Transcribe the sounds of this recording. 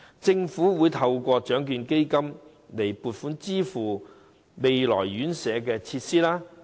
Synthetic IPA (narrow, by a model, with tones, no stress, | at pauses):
t͡sɪ˧ŋfuː˨˥wuː˨˧jt̪ʰɐ˧wkʷɔː˧t͡ʃœː˨˥ŋkyː˧nke˥jkɐ˥m | le˨˩jpuː˨t̚fuː˨˥nt͡siː˥fuː˨˩ | me˨jlɔː˨˩jɥyː˨˥nsɛː˨˧kɛː˧t͡sʰiː˧t̚siː˥laː˥